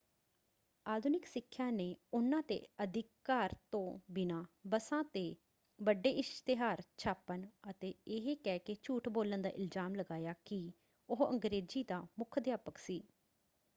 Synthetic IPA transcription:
aːd̪ʱʊnɪksɪkʰːjãːneːʊnãːt̪ḛːəd̪ɪkːaːɾt̪õːbɪnãːbəsãːt̪eː | bəɖeːʔɪst̪ɪɦaːɾt͡ʃʰaːpːənət̪eːɪɦekɛːkeːt͡ʃuːʈboːlənd̪a̰ːʔɪlzaːmləɡaːjaːkɪ | ʊɦəŋɡɾeːd͡ʒiːd̪aːmʊkʰd̪jaːpəksiː

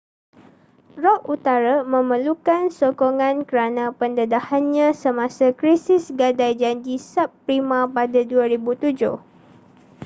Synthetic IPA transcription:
rɔʔut̪aɾamə̃məlukansokoŋãnkəɾanãpəndədahanɲãsəmãsakɾisɪsɡadajd͡ʒand͡ʒisap̚ːpɾimãpadaduaɾibut̪ud͡ʒʊh

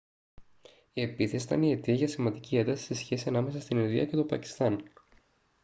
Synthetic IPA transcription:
ie̞piθesit̪ɐ̰nie̞t̪iɐʝɐsimɐnd̪icie̞nd̪ɐsi̥sesçe̞siɐnɐmesɐst̪ininðḭɐ̰ce̞t̪o̞pɐci̥st̪ɐn

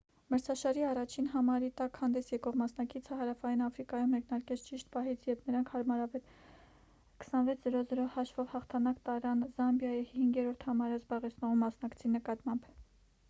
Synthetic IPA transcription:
məɾt͡sʰɑʃɑɾiɑrɑt͡ʃʰinɦɑmɑɾit̪ɑkhɑnd̪ɛsjɛkɔʁmɑsnɑkit͡sʰəɦɑɾɑfɑjinɑfɾikɑjumːɛknɑɾkɛt͡sʰt͡ʃiʃt̪̚pɑɦit͡sʰjɛpnəɾɑŋkʰhɑɾmɑɾɑvɛl | kʰə̥sɑnvɛt͡sʰz̥əɾɔzəɾɔhɑʃvɔvhɑχt̪ʰɑnɑkt̪ɑɾɑnzɑmbjɑjihhiŋɡɛɾɔɾt̪ʰhɑmɑɾəzbɑʁɛt͡sʰnɔʁumːɑsn̪ɑkt͡sʰinəkɑt̪mɑmb

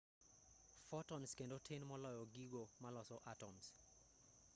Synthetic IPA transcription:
fɔtɔnskendotʰenmɔlɔjɔɡiɡomalɔsɔʔatɔms

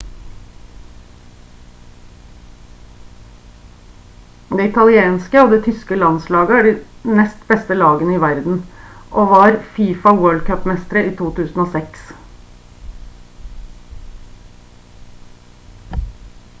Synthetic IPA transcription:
d̪eːɪt̪ʰɑlɪeːnskəoːʋd̪eːt̪ʰʏskəlɑnslɑːɡəæːɖinɛst̪bɛst̪əlɑːɡənəiːʋæɾd̪n̩ʔoːʋɑːɾfiːfɑwøːɭd̪̚kʰœpːmɛst̪əɾəiːt̪ʰuːt̪ʰʉːsn̩oːsɛks

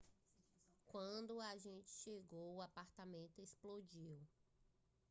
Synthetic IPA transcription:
kwɐ̃d̪ʊaʒẽnt͡ʃɪ̥ʃeɡowʊapaɾt̪amẽnt̪ʊesplod͡ʒiw

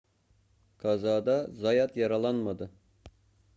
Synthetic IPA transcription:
kʰɑzɑːd̪azɑjat̪jɑɾɑlˠɑnmad̪ɯ

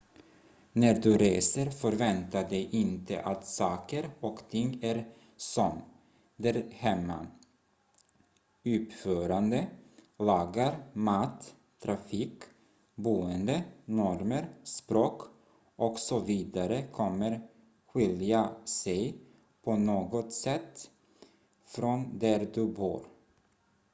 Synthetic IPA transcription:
næɖ̪ɵɾeːsəɾfœɾvɛnt̪ad̪ɛjʔɪnt̪ə̰ʔat̪sɑːkəɾɔkt̪ʰɪŋːæɾ | sɔm | d̪æɾhɛmːa̰ | ʉ̟ːpføːɾand̪əlɑːɡaɾmaːt̪ʰː | ɾʔafiːk | buːənd̪ənɔɾməɾspɾoːk | ʔɔksɔviːd̪aɾəkʰɔmːəɾ | ɧɪljasɛj | pʰɔnoːɡɔt̪sɛt̪ː | fɾɔnd̪æɾd̪ɵbṵːɾ

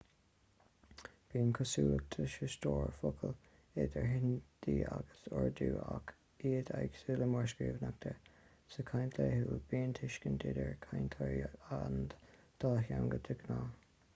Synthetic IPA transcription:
b̥iːnkʰʊsuːt̪ʰəʃəst̪oːɹfʊkʰəl | ed̪əɹɦɪnd̪̥iːaɡəsɔɹd̪uːak | iːd̪ʰaɡsuːləmɔɹʃkiːvnak̚t̪ʰə | səkʰajnt̪ʰleːhuːb̥iːnt̪ʰɪʃkənd̪ɪd̪əɹkʰajnt̪ʰɔɹiand̪̥ɑːɦanɡəd̪ʰɪɡnaː

